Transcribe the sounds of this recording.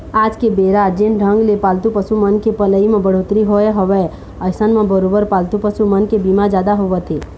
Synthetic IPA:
aːd͡ʒkebeːɾad͡ʒenɖʱə̃ŋɡlepaːlt̪upəsumənkepələimẽbəɽ̤oːt̪ɾiɦoeɦəʋɛ | əsənmẽbəɾoːbəɾpaːlt̪upəsumənkebimad͡ʒaːd̪aɦoʋət̪ʰeː

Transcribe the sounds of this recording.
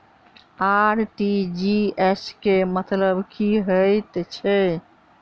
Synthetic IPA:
aɾʈid͡ʒiɛskemət̪ləbkiɦəjt̪t͡ʃʰɛ

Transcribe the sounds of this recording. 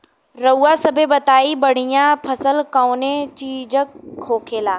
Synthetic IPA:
ɾɐuːasɐbʱebɐt̪aːibɐɽ̤ijãpʰɐsəlkaːnet͡ɕiːd͡ʑəkʰːoːkʰeːlaː

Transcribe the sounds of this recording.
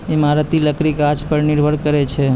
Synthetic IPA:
imaɾət̪iləkɾikad͡ʒpəɾniɾbʱəɽkəɾɛt͡ʃʰɛ

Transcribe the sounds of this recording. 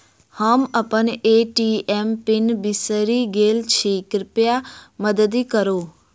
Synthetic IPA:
həməpəneʈiempɪnbisəɾiɡelt͡ʃʰekɾɪpjaməd̪əd̪ikəɾo

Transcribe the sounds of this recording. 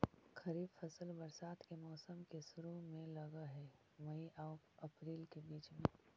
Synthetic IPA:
xɐɾiːbfɐsəlbɐɾsaːt̪kemɔːsəmkesʊɾumẽlɐɡaɦɛː | mɐiʔaː | ɐpɾiːlkebiːt͡ʃmẽː

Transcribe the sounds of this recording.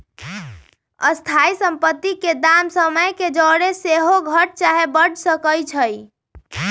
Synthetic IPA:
əst̪ʰaisəmpət̪ːiked̪amsəməjked͡ʒəɽeseɦoɡʱəʈ̚t͡ʃaɦebəɽsəkəjt͡ʃʰəj

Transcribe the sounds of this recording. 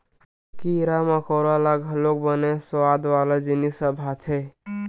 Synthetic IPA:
kiɾaməkɔɾalaɡʱəlok̚bəneswad̪ʋalad͡ʒinisəbʱat̪ʰe

